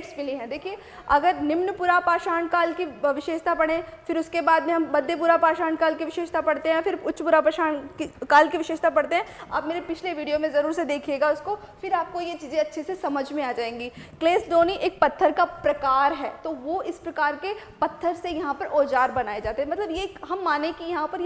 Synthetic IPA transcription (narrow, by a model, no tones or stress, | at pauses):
ʈsbɪleɦɛ̃d̪eːkʰie | ɐɡəɾnɪmnpuɾapaːʃaːnkaːlkiʋɪʃeːʃt̪ʰapɐɽ̃ẽfɪɾʊskebaːd̪mẽɦɐmbɐd̪ʱːep̬uːɾapaːʃaːɳkaːlkiʋɪʃeːʃt̪ʰapɐɽt̪eɦɛ̃fɪɾʊtːʃpuːɾapaːʃaːnkikaːlkiʋɪʃeːʃt̪ʰapɐɽt̪eɦɛ̃aːpmeːɾepɪt͡ʃʰleʋiːɖijomẽzɐɾuːɾsed̪eːkʰijeːɡaʊskofɪɾaːp̚kojet͡ʃiːzẽɐtːʃʰesesɐməd͡ʒʱmẽaːd͡ʒaːẽːŋɡiːkleːsdoːniʔeːk̚pɐt̪ʰːəɾkapɾɐkaːɾɦɛ̰ːt̪oʋoɪspɾɐkaːɾkepɐt̪ʰːəɾsejɐɦãpɐɾoːd͡ʒaːɾbɐnaːed͡ʒaːt̪eɦɛmɐt̪ləbjeɦɐmːaːnekijɐɦãpɐɾje